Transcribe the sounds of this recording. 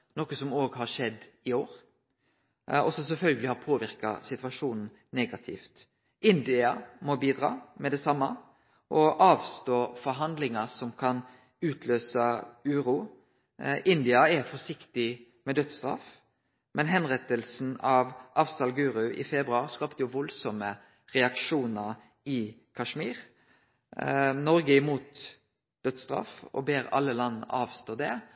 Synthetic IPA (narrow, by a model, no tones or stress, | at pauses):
nɔkːəsɔmoːɡhɑɾʂɛd̪ɪoːɾ | ɔsɔsɛfœlɡəlɪhɑɾpʰoːʋɪɾkɑ̰sɪt̪ʋɑʂuːnn̩ | nɛːɡɑt̪ʰɪ̰ːft̪ | ʔɪnd̪ɪɑmɔbiːd̪ɾɑ̰ːmɛd̪ɛsɑmːɑ | ʔɔʔɑːʋst̪oːfɔɾɦɑnd̪lɪŋɑsɔmkʰɑn | ʉːt̪ʰløːsɑʉːɾuː | ʔɪnd̪ɪɑɛfɔʂɪkt̪ɪ | mɛd̪œt̪st̪ɾɑ̰f | mɛnɦɛnʁɛt̪əlsn̩ɑʋʔɑfsɑlɡʉːɾʉʔɪ̰fɛbɾʉɑɾskɑːpt̪əjʊʋɔlsɔmə | ʁɛɑkʂuːnəɾ | ɪkʰɑʂmiːɾ | nɔɾɡəɪmuːt̪ | d̪̥œt̪st̪ɾɑ̰fɔ̰beːɾɑ̰lːəlɑnːɑːʋst̪oːd̪ɛ